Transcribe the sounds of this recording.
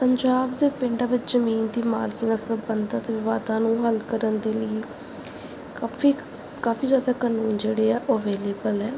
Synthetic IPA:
pəɲd͡ʒaːbd̪eːpɪɳɖãːʋɪt͡ʃzəmiːnd̪iːma̰ːlkiːnaːsəbənd̪aːt̪eːʋɪʋaːd̪ãːnũːɦəlkəɾənd̪eːləiː | iː | kaːfʰiːzjaːd̪aːkaːnuːnd͡ʒeːɽeːɛːʔoːəʋeːleːbəlɛː

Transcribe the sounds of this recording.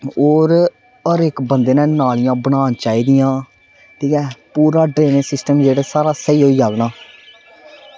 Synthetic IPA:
oːɾ | əɾɪkbənd̪eːnɛ̃ːnaːlɪjãːbəɽaːnt͡ʃaːiːd̪ɪjãː | t̪iːkɛːpuːɾaːɖɾeːnɪsɪsʈəmd͡ʒeːɽeːsaːɾaːsəiːɦoːiːaːɡnaː

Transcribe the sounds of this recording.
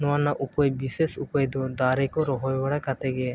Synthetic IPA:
nɔanːaʔupɔjbisesupɔjd̪ɔd̪aɾekɔɾɔɦɔjbaɽakat̪eɡe

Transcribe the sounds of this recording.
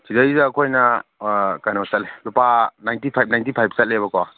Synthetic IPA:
sidajzɐːkʰojnɐ | kajnosɐt̚lelupanajntipʰajb̚najntipʰajb̚ʰsɐt̚lebɐkowa

